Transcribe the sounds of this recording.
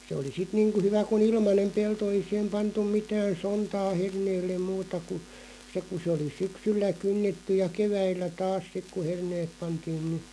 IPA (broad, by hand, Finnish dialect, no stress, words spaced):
se oli sit niːŋku hyʋæ kun ilmɑnem pelto ei sih̆em pɑntum̆ mitæːn̞ sontɑː herneːlːem muːtɑ ku se ku se oli syksylːæ kynːetːy jɑ keʋæilːæ tɑːs sik ku herneːp̆ pɑntiːn nĭ